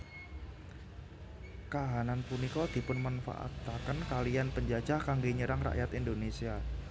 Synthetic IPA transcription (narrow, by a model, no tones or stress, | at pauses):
kaɦananpunikɔd̪̥i̤pʊnmanfa̰ʔa̰t̪akənkalianpəɲd͡ʒad̥d͡ʒ̥ahkaŋɡeɲəɾaŋra̰ʔjat̪ind̪onesia